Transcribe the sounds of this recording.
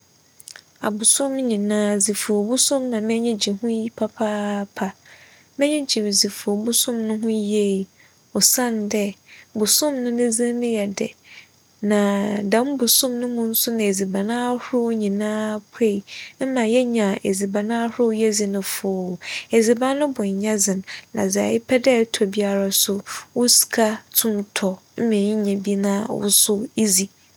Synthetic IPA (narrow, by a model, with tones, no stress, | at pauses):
a̰˨bʊ˨sʊ̃˦m˦ɲĩ˨nãː˦zi˨fʊ˨o˨bu˦sʊ̃˦mnã˨mɛ̃˦ɲɛ̃˦d͡ʑi˨hʊ̃˦ji˦pʰa˦pʰaː˦pʰa˨ | mɛ̃˦ɲɛ̃˦d͡ʑi˨m˨zi˨fʊ˨o˨bu˦sʊ̃˦mnʊ̃˦ɦʊ̃˦je˦˨ | ɔ˨sã˦n˨dɛ˦bʊ˨sʊ̃˦mnʊ̃˦nɪ̃˦zĩ˦nɪ̃˦jɛ˨dɛ̰˨ | nã˨dã˨˦m˦bʊ˨sʊ̃˦˨mnʊ̃˦mʊ̃˦n̩˦sʊ˦nɪ̃˨e˨zi˨ba˨nãː˦hʊ˦ɾʊ˦wɲĩ˨nãː˦pʰe˦˨m̩˦mã˨jɛ˦ɲã˨ʔe˨zi˨ba˨nã˦hʊ˦ʊ˦jɛ˦zi˨nʊ̃˦fʊː˨˦˨e˨zi˨bã˦nːʊ̃˦bʊ̃˨ɲ˨ɲã˦zɪ̃˨nːã̰˨za̰˨jɪ˦pʰɛ˦dɛ˦tʰɔ˨bi˦a˦ɾa˨sʊ˦wʊ˦si̥˨kʰa˦tʰũ˦ntʰɔ˨m̩˦mɛ̃˨ɲi˦ɲã˨bi˦nãː˦wʊ̰˦sʊ˦i˦zi˨